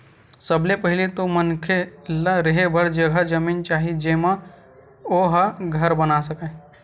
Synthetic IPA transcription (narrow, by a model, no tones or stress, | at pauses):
səblepəɦɪlet̪omənkʰelaɾəɦebʱəɾd͡ʒəɡʱad͡ʒəmint͡ʃaːɦid͡ʒeːmã | oɦaɡʱəɾbənasəkə